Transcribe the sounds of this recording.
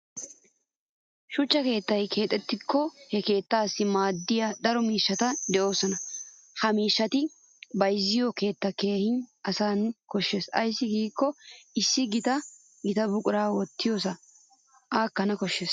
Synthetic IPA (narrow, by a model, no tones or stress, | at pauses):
ʃʊt͡ʃːɐke̞ːt̪ːɐjkʰe̞ːt̪ʼːɛt̪ːɪkːɔhɛke̞ːt̪ːaːsːɪmaːd̪ːɪjad̪ɐɾɔmiːʃːɐt̪ɐd̪ɛʔo̞ːsɔnɐ | hɐmiːʃːɐt̪ɪ | bɐjzːɪjɔke̞ːt̪ːɐke̞ːhɪnɐsaːnkɔʃːe̞ːsɐ̰jsːɪɡiːkːɔɪsːɪɡɪt̪ɐ | ɡɪt̪ɐbʊkʼʊɾaːwɔt̪ːɪjoːsɐ | ʔaːkːɐnɐkɔʃːeːs